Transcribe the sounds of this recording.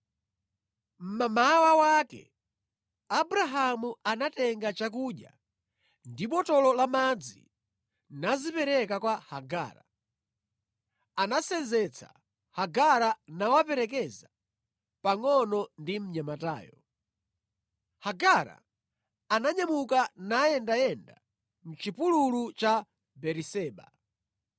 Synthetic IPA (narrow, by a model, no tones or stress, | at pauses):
m̩mamawawakɛ̰ | abɾaɦamuanatɛŋɡat͡ʃak̬uːɗja̰ | ndiɓɔtɔlɔlamad͡zḭ | nazipɛɾɛkakwahaɡa̰ːɾa̰ | anasɛnd͡zɛt͡sʰa̰ | haɡaɾanawapɛɾɛk̬ɛza | paŋɔnɔndim̩ɲamata̰ːjɔ | haɡaɾa̰ | anaɲamukanajɛndajɛnda̰ | m̩t͡ʃipululut͡ʃa | bɛɾisɛːɓa̰